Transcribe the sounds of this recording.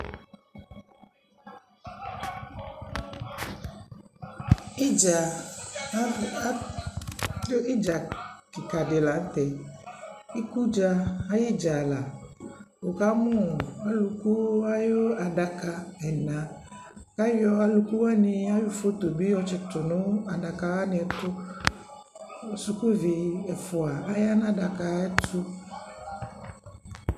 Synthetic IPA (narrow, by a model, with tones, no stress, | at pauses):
i˦d͡ʒa˨˦ | di˦d͡ʒa˨kɪ˨ka˨dɪ˨la˨˦n̩˦t̪ɛ˨ | i˦ku˦d͡ʒa˨a˦ji˦d͡ʒa˨la˨ | wo˨ka˦mʊ̃˦˨a˦lu˨ku˦a˦jo˦a˨da˨ka˨ɛ˨nã˨ | ka˦jɔ˦a˦lu˨ku˦wa˦nɪ̃˦a˦jo˦fo˦t̪o˨bi˦ɔ˦t͡ʃɪ˨t̪ʊ˨nʊ̃˦a˨da˨ka˨wa˦nɪ˦ɛ˨t̪ʊ˦ | o˨su˨ko˦vi˨ɛ˨fʊ˨a˨a˦ja˦nã˦da˨ka˨ɛ˦tʊ˦